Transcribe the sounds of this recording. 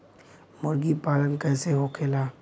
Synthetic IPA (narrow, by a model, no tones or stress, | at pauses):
mʊɾɡipaːlənkɛːseɦokʰeːlaː